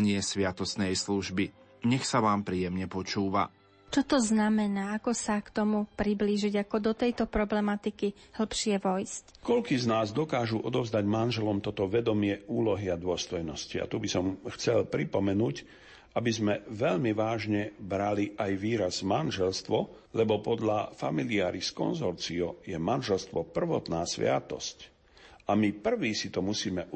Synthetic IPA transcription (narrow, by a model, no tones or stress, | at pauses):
ɲɪɛsʋɪat̪ɔsnɛjsluʒbi | ɲɛxsaʋaːmpɾiːjɛmɲɛpɔt͡ʃuːʋa̰ | t͡ʃɔt̪ɔznamɛnaːakɔsakt̪ɔmupɾibliːʒiɟakɔd̪ɔt̪ɛjt̪ɔpɾɔblɛmat̪iki | hl̩pʃɪɛʋɔjsckɔlkiːznaːzd̪ɔkaːʒuʔɔd̪ɔvzd̪aɟmanʒɛlɔmt̪ɔt̪ɔʋɛd̪ɔmɪɛuːlɔɦiad̪ʊɔst̪ɔjnɔscia̰t̪ubisɔmxt͡sɛlpɾipɔmɛnuːc | ʔabizmɛʋɛʎmiʋaːʒɲɛbɾaliʔajʋiːɾazmanʒɛlst̪ʋɔ | lɛbɔpɔd̪ʎafa̰miliaːɾiskɔ̰nzɔɾt͡siɔjɛmanʒɛlst̪ʋɔpr̩ʋɔt̪naːsʋɪa̰t̪ɔ̰sc | ʔamipr̩ʋiːsit̪ɔmusiːmɛ